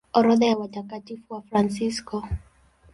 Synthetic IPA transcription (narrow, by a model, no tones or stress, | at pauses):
ɔɾɔðajawat͡ʃakatifuwafɾansiskɔ